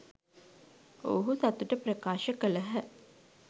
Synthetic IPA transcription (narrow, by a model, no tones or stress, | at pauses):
o̰ɦusat̪uʈəprɐkaːʃəkələɦə